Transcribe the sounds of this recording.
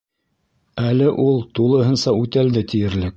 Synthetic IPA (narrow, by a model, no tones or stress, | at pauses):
ælɘʔulˠt̪ulˠɤ̆ɦɤ̆nsɑʉt̪æld̪ɘt̪ijɘ̆ɾlɘk̚